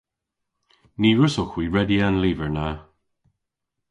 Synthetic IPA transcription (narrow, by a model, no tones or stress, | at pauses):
niːɹʊsəxwiːɹɛdianliːvəɹna